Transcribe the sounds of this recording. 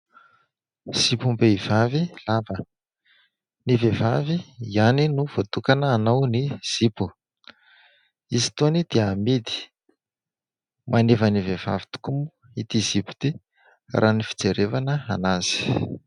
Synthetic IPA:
z̥ipumbeiv̥avilavə | nivevaviianinuv̥ot̪ukanəːnawniz̥ipu | izi̥t̪onid̪̥eamid̪i̥ | mʔanevəniveva̰vi̥t̪u̥kumu | it̪izipu̥t̪i | rʔanifi̥t͡seɾevanəa̰naz̥i̥

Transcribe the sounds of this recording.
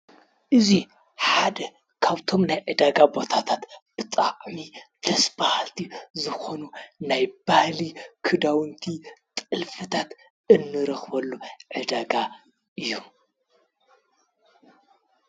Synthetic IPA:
ʔɨzi | ħad̪ɐ | kʰaβt̪ʰo̞mnajʕɨd̪aɡabo̞t̪ʰat̪ʰat̪b̥ɨt̪ʼaʕmid̪̥ɐsbahalt̪ʰizɨxo̞nunajbahlikʰɨd̪awɨnt̪ʰit̪ʼɨlfɨt̪ʰat̪ | ɨnːɨɾɐxbɐlːuʕɨd̪aɡa | ʔɨjːu

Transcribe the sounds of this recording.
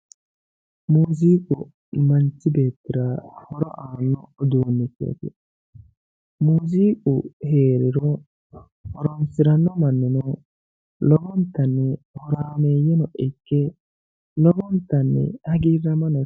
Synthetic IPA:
muːziːkʼʊ | mɐnt͡ʃːɪbe̞ːt̪ːɪɾɐhɔɾɔ̰ʔaːnːɔʔɔd̪oːnːɛkḛːt̪ɪ | muːziːkʼʊheːɾɪɾɔ | hɔɾɔmsɪɾɐnːɔmɐnːɔnɔ | lɔbɔnt̪ːɐnːɛhɔɾaːmeːjɛnɔʔɛkːɛ | lɔbɔnt̪ːɐnːɛ̰hɐɡiːrːɐmɐnɔ

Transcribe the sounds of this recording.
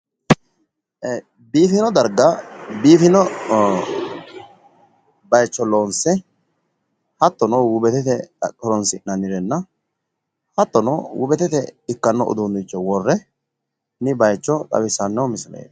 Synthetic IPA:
biːfɪnɔd̪ɐɾɡɐbiːfɪnɔ | bɐjt͡ʃːɔloːnsɛ | hɐt̪ːɔnɔwʊbɛt̪ɛt̪ɛkʼɔɾɔnsɪnɐnɪɾɛnːɐ | hɐt̪ːɔnɔwʊbɛt̪ɛt̪ɛɪkːɐnːɔʔʊ̰d̪ʊnd̪ɪt͡ʃːɔwɔrːɛ | nɪbɐjt͡ʃːɔt̪ʼɐ̰bɪsɐnːɐwmɪslɛ̰

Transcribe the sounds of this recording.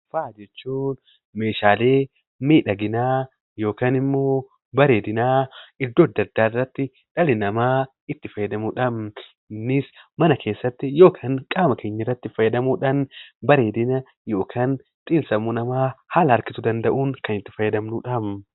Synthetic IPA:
faːd͡ʒɛt͡ʃːuːn | me̞ːʃaːleː | miːᶑɐɡɪnaː | jo̞ːkaːnɪmːo̞ː | bɐɾe̞ːd̪ɪnaːɪd̪ːoːd̪ːɐd̪ːaːrːɐt̪ːɪ | ᶑ̥ɐlɪnɐmaː | ɪt̪ːɪfɐjːɐd̪ɐmuːᶑɐm | nːɪsmɐnɐkʰe̞ːsːɐt̪ːɪjo̞ːkʰaːŋkʼaːmɐkʰe̞ːɲːɪrːɐt̪ːɪfɐjːɛd̪ɐmuːᶑɐnbɐɾe̞ːd̪ɪnɐ | jo̞ːkʰaːn | t̪ʼiːnsɐmunɐmaːhalɐɐɾkɪt̪ʊd̪ɐnd̪ɐʔuːŋkɐnɪt̪ːɪfɐjːɐd̪ɐmnuᶑɐm

